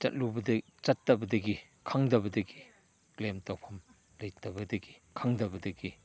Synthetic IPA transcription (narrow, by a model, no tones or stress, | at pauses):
t͡ʃɐ̰t̚lubɐdɐ | t͡ʃɐtːɐbɐdɐɡi | kʰaŋdɐbɐdɐɡi | klemtawpʰɐm | lɐjtɐbɐdɐɡi̥ | kʰaŋdɐbɐdɐɡi